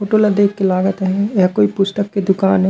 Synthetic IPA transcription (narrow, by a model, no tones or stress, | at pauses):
oːʈolad̪eːkːelaːɡət̪ɦɛ̃jakoːipʊst̪əkːed̪ʊkaːnɦɛ